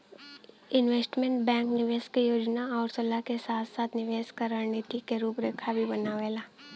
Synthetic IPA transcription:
ɪnʋeːsʈmẽɳʈ̚bɛ̃ːŋknɪʋeːskejoːd͡ʒnaɔːɾsəlakesaːt̪ʰsaːt̪nɪʋeːskaɾənit̪ikeɾuːpɾeːkʰabʱibɐnaʋeːlaː

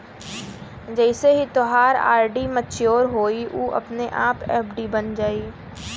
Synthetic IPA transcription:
d͡ʒɛːɪseɦit̪oɦaːɾa̰ːɾɖimɐt͡ʃjoːɾɦoːiʔuːʔɐ̰pneʔaːpɛ̰ːpɖibɐnd͡ʒaːiː

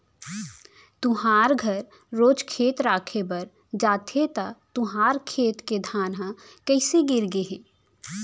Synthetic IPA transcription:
t̪uɦaːɾɡʱəɾː | oːd͡ʒkʰeːt̪ɾaːkʰebəɾ | d͡ʒaːt̪ʰet̪at̪ʊɦaːɾkʰeːt̪ked̪ʱaːnɦa | kəɪseɡɪɾɡeɦeː

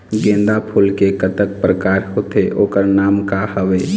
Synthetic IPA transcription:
ɡẽːnd̪apʰulkekət̪ək̚pɾəkaːɾhoːt̪eʔoːkəɾnaːmkahəʋeː

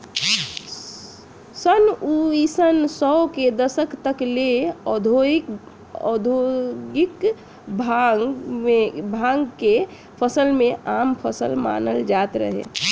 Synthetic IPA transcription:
sənuisənsɔoked̪əsəkt̪əkleɔd̪ʱok | ɔ̰d̪ʱoɡik | bʱa | ebʱãŋɡke | pʰəsəlmẽʔampʰəsə̰lma̰nəld͡ʒat̪ɾə̰ɦḛ

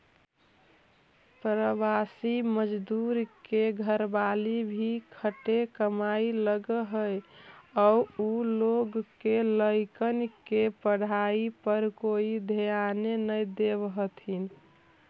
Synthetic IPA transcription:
pɾəbasiməd͡ʒd̪uɾkeɡʱəɾbalibʱikʰəʈekəmailəɡəɦəjɔuuloɡkːeləɪkənkepəɽ̤aipəɾkoid̪ʱejanenəjd̪ebɦət̪ʰin

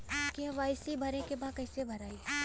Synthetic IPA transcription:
kiɐʋaɪslibʱɐɾẽkebaːd̪̚kɐɪsebʱɐɾaːiɛ

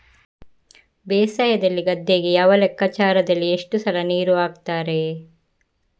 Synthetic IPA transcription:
beːsɐjɐd̪ɐlːiɡɐd̪ʱːeːɡejaːʋɐlɛkːɐt͡ʃaːɾɐd̪ɐlːieʂʈusɐlɐniːɾuaːɡt̪aːɾe̞

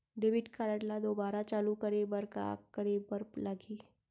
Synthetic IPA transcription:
ɖeːʋɪʈkaːɾəʈlad̪oːbaːɾat͡ʃaːlukɐɾebɐɾka̰kɐɾeːbɐɾlɐɡiː

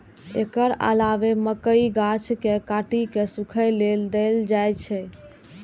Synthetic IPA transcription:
ḛkəɾə̰laʋeməkəiɡat͡ʃkekaʈikesukʰəjleld̪eld͡ʒajt͡ʃʰɛ

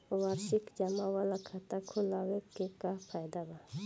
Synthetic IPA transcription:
waɾʃɪkd͡ʒamawalakʰat̪akʰʊlawekekapʰajd̪aba

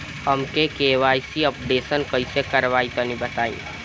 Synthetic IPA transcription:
ɦɐmkekeːʋaːjsiəpɖeːsənkɐisekɐɾʋaːit̪onĩbɐt̪aːḭ̃ː

